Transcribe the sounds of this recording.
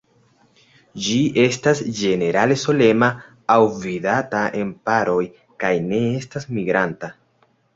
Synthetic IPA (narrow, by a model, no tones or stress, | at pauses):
d͡ʒiʔe̞stasd͡ʒe̞ne̞ɾale̞so̞le̞maː | wvidataʔe̞mpaɾo̞j | kajne̞e̞stasmiɡɾanta